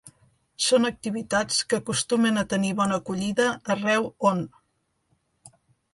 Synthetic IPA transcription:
sonək̚t̪iβ̞it̪at͡skəkust̪umənət̪əniβɔnəkuʎiðəːrɛwon

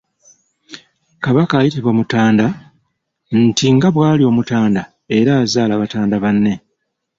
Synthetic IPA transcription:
kaβakaːjitiβwamutaːnda | ntiŋɡaβwaːlio̞ːmutaːnda | e̞ɾaːzaːlaβataːndaβanːe̞

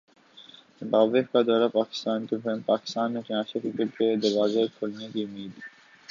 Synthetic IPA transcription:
baːbekkad̪aːɾapaːkɪ̥st̪aːnkebʰɛmpaːkɪ̥st̪aːnmekiaːʃekɪkeb̚ked̪ɐɾʋaːzekʰolnekiʊmːiːd̪

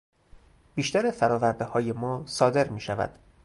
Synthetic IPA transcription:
biːʃt̪æɾefæɾɒːvæɾd̪ehɒːjemɒːsɒːd̪eɾmiːʃævæ̰d̪̥

